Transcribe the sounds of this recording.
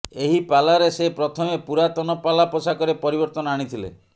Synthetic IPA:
eɦipalaɾesepɾɔt̪ʰɔmepuɾat̪ɔnɔpalapɔsakɔɾepɔɾibɔɾt̪ɔnɔaɽ̃it̪ʰilḛ

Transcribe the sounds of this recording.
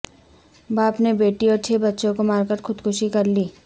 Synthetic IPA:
baːpnebeːʈiɔːɾt͡ʃʰebɐtːʃõkomaːɾkəɾxʊd̪kʰʊʃikɐɾliː

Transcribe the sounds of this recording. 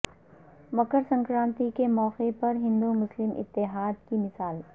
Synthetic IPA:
mɐkəɾsɐ̃ŋkɾãːnt̪ikemɔːqepɐɾɦɪ̃nd̪umʊslɪmʔɪ̰t̪ːɪɦaːd̪kimɪsaːl

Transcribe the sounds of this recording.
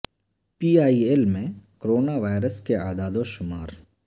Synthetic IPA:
piːaːielmẽkoɾoːnaʋaːɾəskeaːd̪aːd̪õʃʊmaːɾ

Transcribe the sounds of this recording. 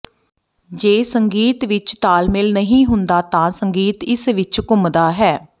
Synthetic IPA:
d͡ʒeːsəŋɡiːt̪ʋɪt͡ʃt̪aːlmɪlnəɦĩːɦʊnd̪aːt̪ãːsəŋɡiːt̪ɪsʋɪt͡ʃkʊmd̪aːɦɛː

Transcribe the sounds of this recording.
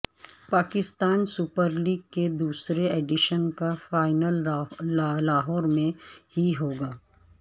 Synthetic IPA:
paːkɪst̪aːnsʊpəɾliːɡ̚ked̪uːsɾeeːɖɪʃənkafaːɪnəl | laːɦɔːɾmẽɦiɦoːɡaː

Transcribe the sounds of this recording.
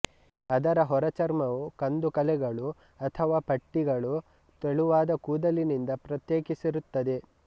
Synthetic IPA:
ɐd̪ɐɾɐɦɔɾɐt͡ʃɐɾmɐʋukɐnd̪ukɐlɛɡɐɭu | ɐt̪ʰɐʋaːpɐʈːiɡɐɭu | t̪eɭuʋaːd̪ɐkuːd̪ɐlinind̪ɐpɾɐt̪jeːkisiɾut̪ːɐd̪e̞

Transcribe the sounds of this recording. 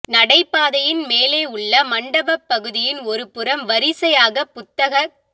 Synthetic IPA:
nɐɽɐɪpːaːðɐjɪnmeːleːʊɭːɐmɐɳɖɐbɐpːɐɣɯðɪjɪnɔɾɯpɯɾɐmʋɐɾɪsɐjaːɣɐpːʊt̪ːɐɣɐ

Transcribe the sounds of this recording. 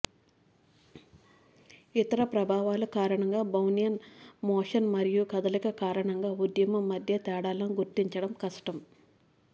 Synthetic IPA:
it̪ɐɾɐpɾɐbʱaːʋaːlukaːɾɐɳɐŋɡaːbʱɐwnijɐnmɔːʂɐnmɐɾijukɐd̪ɐlikɐkaːɾɐɳɐŋɡaːud̪jɐmɐmːɐd̪ʱjɐt̪ɛːɽaːlɐnuɡuɾt̪iɲt͡ʃɐɽɐmkɐsʈɐm

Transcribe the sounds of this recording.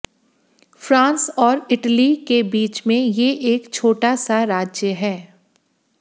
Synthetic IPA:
fɾãːnsɔːɾɪʈəlikebiːt͡ʃmẽjeʔeːkt͡ʃʰoːʈasaɾaːd͡ʒjəɦɛː

